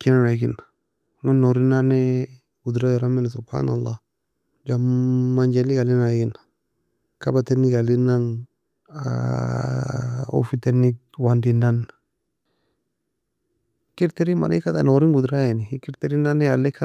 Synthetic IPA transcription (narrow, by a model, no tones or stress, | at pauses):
kinanaɡina | ŋunoɾinanɛ | ɡud̪ɾajɔɾamɪnsʊbha̰ːnalːa | d͡ʒammːand͡ʒɛliɡalinaɡɪna | kabateniɡalinan | a̰ | o̰fitenik̚ | wandinan | kiɾt̪eɾima̰nikat̪anoɾinɡud̪ɾajanikɪɾt̪eɾinanɛalːɛkʰa